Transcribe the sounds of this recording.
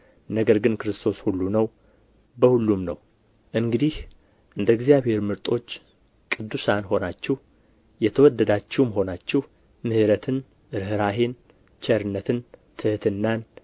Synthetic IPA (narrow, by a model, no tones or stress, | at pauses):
nəɡəɾɡɨnkɨɾɨst̪ʰo̞shulːunəw | bəhulːumnəw | ʔɨŋɡɨd̪ih | ʔɨnd̪əɡzjaβhe̞ɾmɨɾt̪ʼo̞t͡ʃː | kʼɨd̪ːusanho̞nat͡ʃːɪh | jɛt̪ʰəwɔd̪ːəd̪at͡ʃːiwmɦo̞nat͡ʃːɪh | mɨhɨɾət̪ʰɨn | ɨɾɦɨɾaɦen | t͡ʃʰɛɾɨnːət̪ʰɨnt̪ʰɨhɨt̪ʰɨnːan